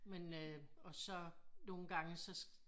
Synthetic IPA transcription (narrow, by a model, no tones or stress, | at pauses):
menøɒ̽sɒ̽no̝ːn̩ɡ̥ɑ̈ŋəsɒ̽s